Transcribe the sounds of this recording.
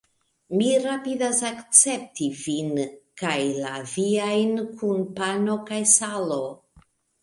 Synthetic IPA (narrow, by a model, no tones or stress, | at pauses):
miɾapidasakt͡se̞p̚tivinkajlaviajnkʰunpano̞kajsalo̞